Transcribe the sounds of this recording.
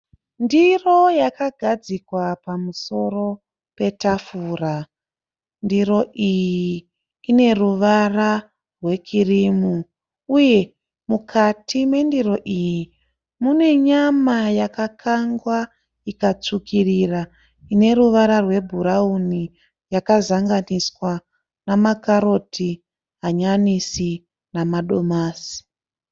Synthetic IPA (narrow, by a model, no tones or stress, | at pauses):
ndiro̞jakaɡʱad͡zikwapamuso̞ro̞ | pe̞tafura | ndiro̞ʔijiː | ne̞ruʋara | rwe̞kirimu | uje̞ | mukʰatʰimwe̞ndiro̞ʔiji | mune̞ɲamajakakʰaŋɡwa | ikat͡sukʰirira | ine̞ɾuʋaɾarwe̞bʱuɾauni | jakazaŋɡaniswa | namakaɾo̞tʰi | ɦaɲanisi | namaɗo̞maːsi̥